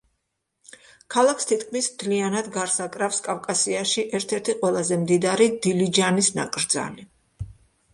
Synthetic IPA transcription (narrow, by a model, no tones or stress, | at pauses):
kʰalˠakst̪ʰit̪kʰmismt̪ʰlianad̪ɡaɾsakʼɾafskʼavkʼasiaʃiʔɛɾt̪ʰɛɾt̪ʰiqʼwɛlˠazɛmd̪id̪aɾid̪ilid͡ʒanisna̰kʼɾd̪za̰li